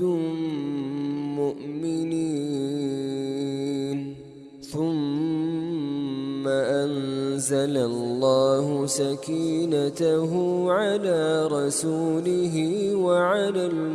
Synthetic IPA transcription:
mʊʔmɪniː | n | θʊm | aʔanzalallːɑːhʊsakiːnat̪aɦʊʕalaːɾˤɑsuːlɪɦɪwaʕalal

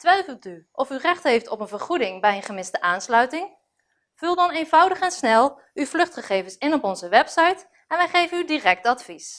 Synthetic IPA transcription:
tʋɛjfəlˠtyʔɔfyrɛχtɦejftɔpənvəɹχudɪŋbɛjənχəmɪzdəʔaːnslœɥtɪŋ | v̥ʉlˠdɑnejnvʌwdəχɛnsnɛlˠ | yvlɵχtχəχejvənsɪnɔpɔnzəʋɛpsɑjt | ɛnʋɛjχejvənydiːrɛk̚tɑtfis

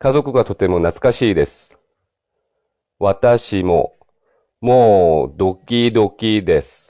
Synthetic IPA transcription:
kazo̞kɯ̟ɡat̪o̞t̪e̞mo̞nat͡sɨ̥kaɕiːd̪e̞sɨ̥ | βat̪aɕimo̞̰ | moːd̪o̞kʲid̪o̞kʲid̪e̞sɨ̥

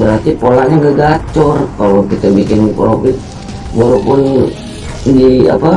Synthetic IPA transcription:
bəɾart̪ipolaʔɲaŋɡaɡat͡ʃɔrkalokit̪abikɪnpɾofɪt̪̚ | boɾopʊn | dia̰pa

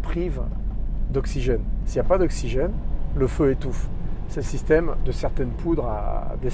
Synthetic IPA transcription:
pχiv | d̪ɔksiʒɛnsiljapad̪ɔksiʒɛnləføet̪ufsɛsist̪ɛmd̪əsɛʁt̪ɛnpʰud̪ʁa̰d̪e

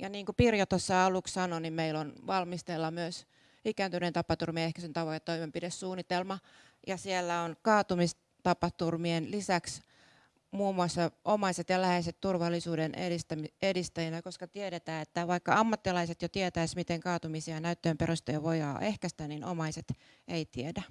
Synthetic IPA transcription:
jɑniːŋkupirjot̪osːɑɑlukssɑnonimmeilonʋɑlmist̪elːɑmyøs | ikæːnt̪ynent̪ɑpɑt̪urmiɑehkæsent̪ɑʋojɑt̪t̪ːoimempidessuːnːit̪elmɑ | jɑsielːæonkɑːt̪umis | t̪ɑpɑt̪urmienlisæks | muːmuɑsːɑʔomɑiset̪jɑlæheiset̪t̪urʋɑlːisuːdeneist̪æmiedist̪æjænækoskɑt̪ieɾet̪æːet̪ːæʋɑikːɑɑmːɑt̪ːilɑiset̪jot̪iet̪æismit̪eŋkɑːt̪umisiɑnæyt̪ːøːmperost̪ɑjɑʋojɑ̰ːʔehkæst̪ænino̰mɑiset̪ | eit̪iedæ

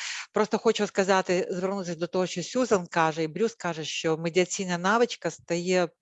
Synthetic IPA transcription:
pɾo̞st̪əxot͡ɕʊskɐzat̪ʲɪzvʲɪrnut̪sʲəsʲd̪ət̪ɐvoɕosʲuzɐnkaʐɨɪbɾʲuskaʐɨʃomʲɪdʲɪɐt̪sʲinəjənavɨt͡ɕkəst̪ɐje

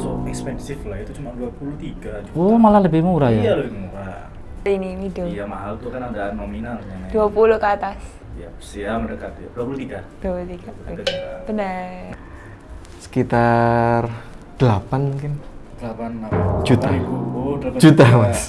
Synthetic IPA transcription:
soɛkspɛnsɪflajat̪ut͡ʃumanduapuluht̪iɡad͡ʒuomalahləbɪmuuɾajaalouɾa | ininidojamaɦalt̪ukanadanominalɲanaduapuluhkəat̪as | jabəsiaməɾekat̪ujad̥uapulut̪iɡad̥uapulut̪iɡ̥aaab̥ənə | sə̥kit̪ar | d̪̥əlapanmuŋkɪnd̪̥əlapanːad͡ʒut̪a | d͡ʒut̪amas

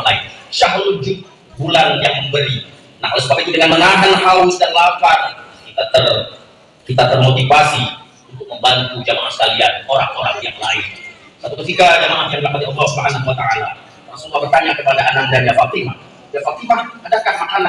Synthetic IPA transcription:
lainʃaɦlud͡ʒʊt̚ | ɡulanjaŋməmbəɾi | nahkalasəkakit̪udəŋanməŋaɦanɦawʊsdanlakankit̪at̪ər | kit̪at̪ərmot̪ifasi | unt̪ʊk̚məmbant̪ud͡ʒamaŋanskalian̚oɾaŋoɾaŋjaŋlaɪn | sat̪ut̪ufikad͡ʒamananaŋdlakat̪iɔlːɔsəbakananwat̪aʔala | laŋsuŋuabərt̪aɲakəpadaʔanaŋdaniafak̚t̪imah | diafak̚t̪imahadakanmakana

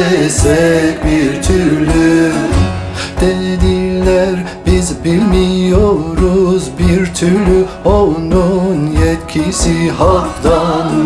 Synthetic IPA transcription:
ɛsɛbiɾt̪ʰyɾly | d̪̥ed̪ilʲæɾ | bizbilʲmijoɾuzbiɾt̪ʰyɾlyolˠnunjɛt̪cʲʰisihaɾfd̪an

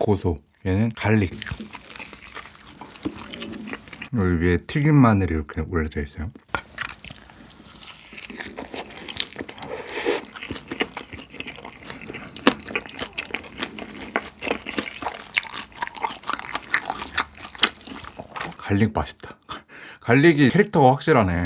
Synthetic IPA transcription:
kosʰo | enɯnkaʎːik̚ | ɯɭɥietʰiɡɯmmanɯɾiɾʌkʰeuɭːeteis͈ʌjo | kaʎːik̚p͈aɕʰi̥tʰḁkkaʎːiɡikʰeɾik̚tʰʌɡaɸwak̚ɕ͈iɾane̞

